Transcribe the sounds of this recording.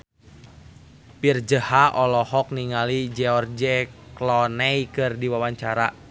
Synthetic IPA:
pird͡ʒəhaʔɔlɔhɔk̚niŋalid͡ʒɛɔrd͡ʒɛklɔnɛjkɨrdiwawaɲt͡ʃaɾa

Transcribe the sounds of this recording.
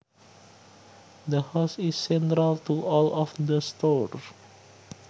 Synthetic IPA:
d̪əhaʊsisːɛ̃ntɾalt̪uʔɔlɔfdəst̪ɔɹ

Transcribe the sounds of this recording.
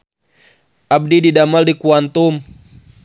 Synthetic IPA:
ab̚dididamaldikuant̪um

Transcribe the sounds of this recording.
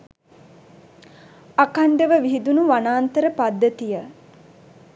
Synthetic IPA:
akand̪əʋəʋiɦid̪unuʋanaːnt̪əɾəpad̪ːət̪ijə

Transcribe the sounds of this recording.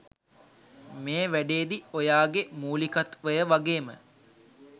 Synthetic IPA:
meːʋæɖeːd̪iojaːɡemuːlikat̪ʋəjəʋaɡeːmə

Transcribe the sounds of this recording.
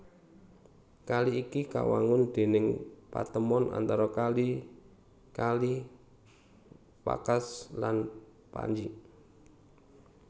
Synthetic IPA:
kaliːkika̰wa̰ŋʊnd̪̥e̤nɪŋpa̰t̪əmɔnʔa̰nt̪aɾɔkali | kali | pa̰kaslan | pa̰ɲd͡ʒi

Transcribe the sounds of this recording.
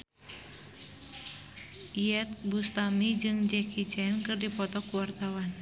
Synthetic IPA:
iɛt̪̚bust̪amid͡ʒɨŋd͡ʒɛkʰit͡ʃɛnkɨrdipɔt̪ɔkuwart̪awan

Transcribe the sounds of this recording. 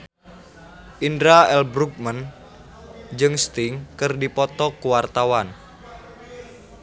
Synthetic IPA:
ʔindɾaɛlbɾuɡ̚mən | d͡ʒɨŋst̪ɪŋkərdipɔt̪ɔkuwart̪awan

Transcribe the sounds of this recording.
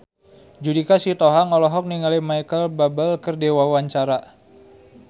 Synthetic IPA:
d͡ʒudikasit̪ɔɦaŋɔlɔɦɔk̚niŋalimajkəlbabəlkərdewawaɲt͡ʃaɾa

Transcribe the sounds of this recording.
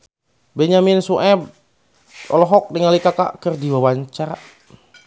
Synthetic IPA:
bɛɲamɪnsuʔɛb̚ | ɔlɔɦɔk̚dəŋalikaka̰kərdiwawaɲt͡ʃaɾa

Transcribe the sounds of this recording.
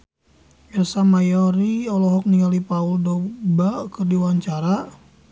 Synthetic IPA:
biasamajɔɾiɔlɔɦɔk̚niŋalipauldɔbakərdiwaɲt͡ʃaɾa

